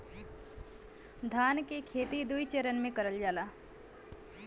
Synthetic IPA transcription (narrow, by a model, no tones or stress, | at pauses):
d̪ʱaːnkekʰeːt̪id̪uit͡ʃeɾənmẽkɐɾəld͡ʒaːlaː